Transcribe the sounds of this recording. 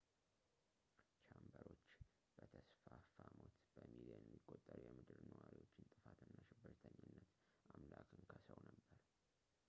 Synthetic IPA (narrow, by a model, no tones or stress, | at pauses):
t͡ʃʰambəɾo̞t͡ʃː | b̥ət̪ʰəsfafamot̪b̥əmiliənmːikʼot̪ʼːəɾjɛmɨd̪ɨɾnəwaɾiwo̞t͡ʃːɪnt̪ʼɨfat̪ʰɨnːaʃɪbːɨɾt̪ʰəɲːɨnːət̪ | amlakʰɨnkʰəsəwnəbːəɾ